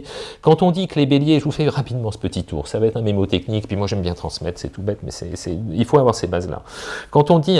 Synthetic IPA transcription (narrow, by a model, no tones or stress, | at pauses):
kɑ̃t̪ɔ̃d̪ikəlebeljeʒəvufɛʁapid̪mɑ̃sə̥pət̪it̪ṵːʁsavaɛt̪χɛ̃memot̪ɛknikpɥimwaʒɛmbjɛ̃t̪χɑ̃smɛt̪χsɛt̪ubɛt̪mɛ̰sɛ̰sɛilfoavwaʁsebazla̰kɑ̃t̪ɔ̃d̪i